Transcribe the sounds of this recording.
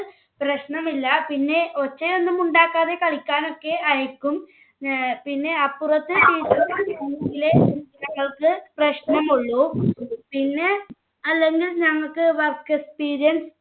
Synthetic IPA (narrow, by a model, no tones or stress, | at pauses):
prɐɕnɐmilːɐpinːe̞o̞t͡ɕːejo̞nːɨmuɳɖaːkːaːðe̞kɐɭikʲːaːno̞kːe̞ɐjɐkʲːum | pinːe̞aːpːurɐt̪ːɨiːtːɐt̪ːiɐŋeŋɡilenɐŋːɐɭkɨprɐɕnɐmuɭːupinːe̞ | ɐlːe̞ŋɡilɲɐŋːɐɭkɨʋɐrkekspiːɾijɐns